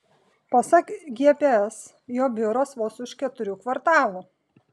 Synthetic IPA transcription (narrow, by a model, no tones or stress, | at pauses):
pɐsɐkɡʲiɛpʲeɛs | joːbʲɪɾoːsʋoːsʊʃkʲɛt̪ʊɾʲuːkʋɐɾt̪ɑːlˠu